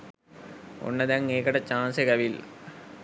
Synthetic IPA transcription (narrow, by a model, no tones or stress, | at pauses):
o̰nːɐd̪ɐŋːeːkɐɽɐt͡ɕaːnsekɐʋil